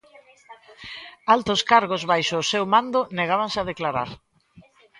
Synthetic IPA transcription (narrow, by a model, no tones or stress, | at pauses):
alt̪oskaɾɣozβajʃʊːsewmãnd̪ʊneɣaβaŋsɪaðeklaɾa̰ɾ